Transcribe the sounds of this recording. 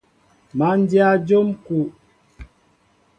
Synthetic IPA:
ma˨˦n˦dja˦d͡ʒo˦mku˨ʔ

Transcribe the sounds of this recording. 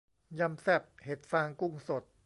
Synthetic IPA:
ja˧msɛ˦˥˩p̚he˨˩t̪̚faː˧ŋku˥˩ŋso˨˩t̪̚

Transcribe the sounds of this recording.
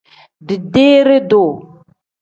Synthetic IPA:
di˨de˦ɾe˦do˨

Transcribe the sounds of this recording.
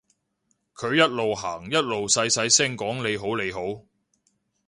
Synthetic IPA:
kʰɵ˨˧ɥjɐ˥t̚lo˨wɦaː˨˩ŋjɐ˥t̚lo˨wsɐ˧jsɐ˨˥jsɪ˥ŋkɔː˨˥ŋle˨˧jɦo˨˥wle˨˧jɦo˨˥w

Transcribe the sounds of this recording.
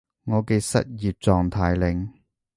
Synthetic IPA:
ŋɔː˨˧ke˧jsɐ̰˥t̚jiː˨p̚t͡sɔː˨ŋt̪ʰaː˨jlɪ˨˧ŋ

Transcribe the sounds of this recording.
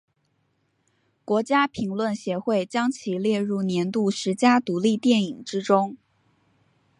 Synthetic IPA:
kwɔ˧˥t͡ɕja˥pʰi˧˥ŋlwə˥˩nɕjɛ˧˥xwe˥˩ɪt͡ɕjɑ˥ŋt͡ɕʰi˨˩ljɛ˥˧ɻu˥˩njɛ˧˥nt̪u˥˩ʂɻ̩˧˥t͡ɕja˥t̪u˧˥li˥˧t̪jɛ˥˩ni˨˩ŋʈ͡ʂɻ̩˥ʈ͡ʂʊ˥ŋ

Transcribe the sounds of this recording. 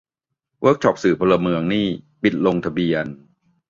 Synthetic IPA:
wəː˦˥k̚t͡ɕʰɔ˦˩p̚sɯː˨˩pʰoː˧la˧mɯ˧əŋniː˥˩pi˨˩t̪̚lo˧ŋt̪ʰa˧bi˧ən

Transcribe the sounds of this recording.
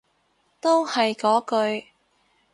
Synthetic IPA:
t̪o˥whɐ˨jkɔː˨˥kɵ˧ɥ

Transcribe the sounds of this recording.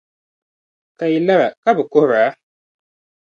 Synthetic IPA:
ka˨i˨la˦ɾa˨ka˦bɨ˨ko˦˨ɾa˨˦

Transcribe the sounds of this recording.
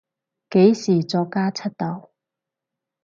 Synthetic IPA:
ke˨˥jsiː˨˩t͡sɔː˧kːaː˥t͡sʰɐ˥t̚t̪ɐ˨˥w

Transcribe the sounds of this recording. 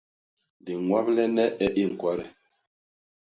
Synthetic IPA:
di˨ŋwa˦plɛ˦nɛ˦ɛ˦ʔi˦˨ŋ̩˨kwa˦ɾɛ̰˨

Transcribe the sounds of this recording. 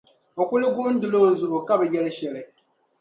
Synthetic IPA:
o˨kʷu˦li˦ɡu˦n˦du˨lo˦˨n̩˨zu˨ɾo˨ka˦βɛ˨jɛ˦lɛ˦ʃɛ˨lɛ˨

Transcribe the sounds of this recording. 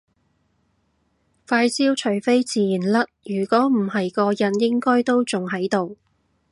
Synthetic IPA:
faː˧jsiː˥wt͡ʃʰɵ˨˩ɥfe˥jt͡siː˨˧jiː˨˩nlɐ˥t̚jyː˨˩kʷɔː˨˥m̩˨˩hɐ˨jkɔː˧jɐ˨˧njɪ˥ŋkɔː˥jt̪o˥wt͡sʊ˨ŋɦɐ˨˥jt̪o˨w

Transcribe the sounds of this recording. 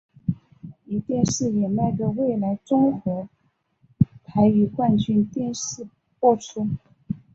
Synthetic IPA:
i˨˩t̪jɛ˥˧nʂɻ̩˥˩jɛ˨˩na˥˩ɪʈ͡ʂə˧˩we˥˩ɪla˧˥ɪʈ͡ʂʊ˥ŋkwɔ˧˥ | pʰa˧˥ɪy˧˥kwa˥˧nt͡ɕy˥˧nt̪jɛ˥˧nʂɻ̩˥˩ | pwɔ˥˩ʈ͡ʂʰu˥

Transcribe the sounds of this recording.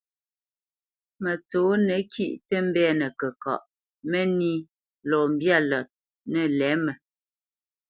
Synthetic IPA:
mə˨t͡soː˨˦nə˨˦kʰi˦ʔtə˦m̩˦bɛ˦˨nə˨kə˨kɔ̰˨ʔ | mə˦ni˦ | lɔː˨m̩˨bja˦˨lɔ˨t̚ | nə˦˨lɛ˨˦mə˨

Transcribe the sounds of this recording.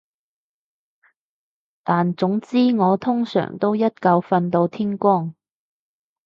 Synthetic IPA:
t̪aː˨nt͡sʊ˨˥ŋt͡siː˥ŋɔː˨˧t̪ʰʊ˥ŋsœ̰ː˨˩ŋt̪o˥wjɐ˥t̚kɐ˧wfɐ˧nt̪o˧wt̪ʰiː˥nkʷɔː˥˩ŋ

